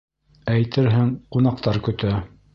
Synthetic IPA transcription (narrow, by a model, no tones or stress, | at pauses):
æjt̪ɘɾɦɘŋqunɑq̚t̪ɑɾkɵ̆t̪æ